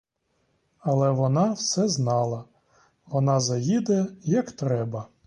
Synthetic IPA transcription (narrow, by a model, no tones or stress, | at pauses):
ɐlˠɛʋɔnɑwsɛznɑlˠɐ | ʋɔnɑzɐjʲid̪ɐjɛjɐkt̪ɾɛbɐ